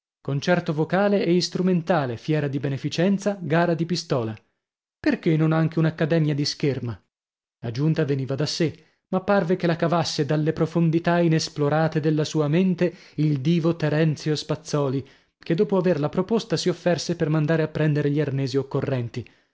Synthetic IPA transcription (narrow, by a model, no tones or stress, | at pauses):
kont͡ʃɛrt̪ovokaːleɛist̪ɾument̪aːlefjɛːɾad̪ibenefit͡ʃɛnt̪saɡaːɾad̪ipist̪ɔːla | perkenːonaŋk̟eunakːad̪ɛːmjad̪iskerma | lad͡ʒunt̪aveniːvad̪asːe | mapːarvekelakavasːed̪alːepɾofond̪it̪ainesploɾaːt̪ed̪elːasuːament̪eild̪iːvot̪eɾɛnt̪sjospat̪sːɔːli | ked̪ːoːpoaverlapɾopost̪asiofːɛrsepermand̪aːɾeapːɾɛnd̪eɾeʎiarnɛːziokːorːɛnt̪i